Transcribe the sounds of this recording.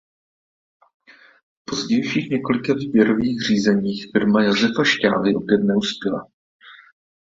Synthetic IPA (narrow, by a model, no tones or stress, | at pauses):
fpo̞zɟɛjʃiːxɲɛko̞lɪkavibjɛɾo̞viːxr̝̥iːzɛɲiːxfɪɾmajazɛfaʃca̰ːvɪʔo̞pjɛt̪̚nɛuspɪla